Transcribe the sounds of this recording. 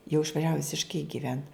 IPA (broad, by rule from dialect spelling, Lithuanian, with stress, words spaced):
jɛʊ ɪʃʋɐˈʒʲæːʋʊ ʋʲɪsʲɪʃˈkɐɪ ɡʲɪˈʋʲɛnt